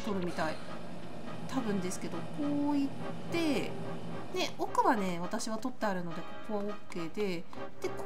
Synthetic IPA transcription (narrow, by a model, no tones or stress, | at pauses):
t̪o̞ɾɯ̟mʲit̪ai | t̪abɯ̟̃nd̪e̞sɨ̥ke̞d̪o̞kʰo̞ːit̪ːe̞ | ne̞o̞kɯ̟βane̞β̞at̪aɕiβ̞at̪o̞t̪ːeaɾɯ̟no̞d̪e̞ko̞ko̞βaokːe̞ːd̪e̞ | d̪̥e̞k